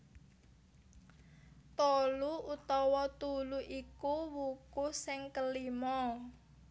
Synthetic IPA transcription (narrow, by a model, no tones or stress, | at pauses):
t̪ɔluut̪ɔwɔt̪uluʔikuwukusɪŋkəlimɔ